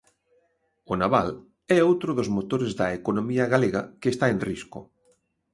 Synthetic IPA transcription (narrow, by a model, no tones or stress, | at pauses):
onaβa̰l | ɛowt̪ɾʊðozmot̪oɾezðɐekonomiɐɣaleɣɐ̰kest̪aẽnrisko̰